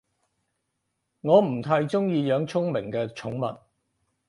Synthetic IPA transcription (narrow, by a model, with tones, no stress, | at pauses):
ŋɔː˨˧m̩˨˩t̪ʰaː˧jt͡sʊ˥ŋjiː˧jœː˨˧ŋt͡sʰʊ˥ŋmɪ˨˩ŋkɛː˧t͡sʰʊ˨˥ŋmɐ̰˨t̚